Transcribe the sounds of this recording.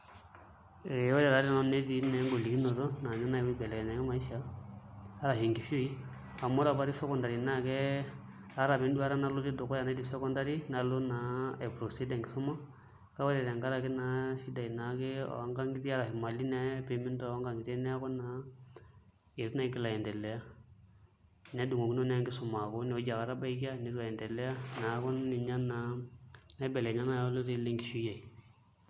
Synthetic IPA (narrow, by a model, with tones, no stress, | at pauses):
e˨˦wa˦dɛ˨da˨˦ɾi˦˨na˨˦ne˦di˨nɛ˨˦ŋɡo˨li˨ɡi˦no˨do˦na˨ɲa˦na˦i˨wi˦bɛ˨lɛ˨ɛ˨na˨˦ɛ˦ma˨i˦ʃaː˨˦ | ɾa˨ɦi˨ŋɡi˨fu˦i˦ | a˨mo˦ɾa˨ba˦ɾi˦sɔ˦kɔ˨nda˨ɾi˨na˦˨kɛ˦ | a˦ɾa˨mi˨n˦du˦a˦ɾa˦na˦lu˦di˦do˨kɔ˦ja˨na˦di˨sɔ˦kɔ˦nda˦ɾi˦na˨˦lo˦na˨e˨pɾo˨si˦da˨ŋɡi˨su˦ma˦ | ka˦wa˦ɾɛ˨ɾa˨ŋɡa˦ɾa˨ke˦na˦ʃi˦da˨i˨na˨˦kɪ̰˦˨˦ŋɡa˦ŋɡi˦ti˦a˦ɾa˨kɪ˨ma˨li˦nɛ˦pe˨mi˦ndɔ˦˨˦ŋɡa˨ŋɡi˨te˦nɛ˦a˦kɔ˦na˨˦ | e˨ɾna˦i˦kɪ˨la˨jɛ˨ndɛ˨lɛ˨˦a˦ | nɛ˨˦du˨ŋo˨ki˦no˦n˦ŋɡɪ˦sʊ˨ma˨ko˦nɛ˨o˦d͡ʒa˨ka˨ɾa˦ba˦i˦ki˦a˦ni˨˦ɾua˨jɛ˨ndɛ˨lɛ˦a˦na˨˦kɔ˦nːɪ˨ɲa˦na˨na˦bɛ˨lɛ˨ɲa˦na˦jɔ˦lo˦ti˦le˦ŋɡi˨ʃu˦ja˨i˨